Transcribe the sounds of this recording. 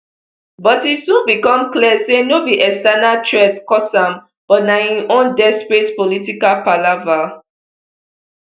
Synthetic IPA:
bɔtisũnbikɔ̃mkliəsenobiʔɛkstɛnatʰɹɛtkɔsãm | b̥ɔtnaĩʔõndɛspɹitpolitikalpalava

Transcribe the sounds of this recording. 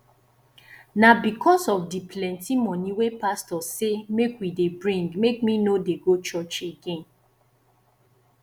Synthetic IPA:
nabikʰɔsɔfdipʰlɛ̃ntimɔniwepastɔsemekwidebɹĩŋɡmekminodeɡot͡ʃɔt͡ʃeɡẽn

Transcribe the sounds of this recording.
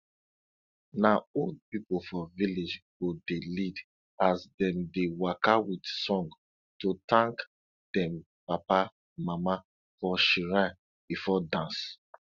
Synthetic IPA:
naod̚pipofɔviled͡ʒɡodelid | asdɛ̃mdewakawidsɔ̃ŋɡ | totãŋk | d̥ɛ̃m | papa | mama | fɔʃiɹa | bifɔdãns

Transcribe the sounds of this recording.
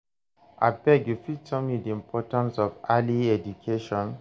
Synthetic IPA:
ʔa̰bɛɡjufitʰɔmidiĩmpʰɔtãnsɔvaliɛd͡ʒukʰeʃɔ̃n

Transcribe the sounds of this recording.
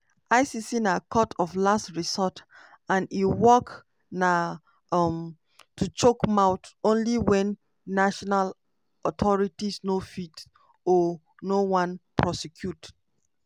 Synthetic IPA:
aɪsisinakʰɔtʰɔflastɹisɔt | ãniwɔk | na | m | tʰut͡ʃokmaʊtõnliwɛ̃nː | aʃɔnal | ɔtʰɔɹitisnofit | ɔ | nowãnpʰɹɔsɛkʰjut

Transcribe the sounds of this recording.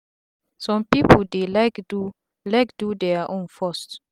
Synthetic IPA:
sɔ̃mpipədelakdu | lɛkdudeaʔɔ̃nfɔst

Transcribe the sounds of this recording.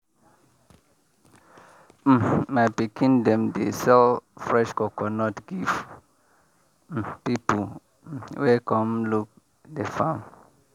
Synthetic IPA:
m̩mapikʰĩndɛ̃mdesɛlfɹɛʃkɔkʰɔnɔtɡiv | pipu | wekʰɔ̃mluk̚ | defãm

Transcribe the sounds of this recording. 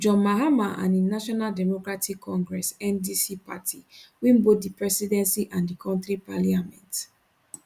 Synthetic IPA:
d͡ʒɔ̃maɦamaʔã̰nĩnaʃɔnaldɛmɔkɹatʰikʰːɔ̃ŋɡɹɛsɛ̃ndisipa̰tʰiwĩmbot̚dipɹɛsidɛ̃nsiʔãndikʰɔ̃ntɾipaliamɛ̰̃nt

